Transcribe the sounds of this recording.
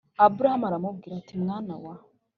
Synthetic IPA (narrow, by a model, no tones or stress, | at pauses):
abuɾahamaɾamub̚ɡiːɾatimŋaːnawa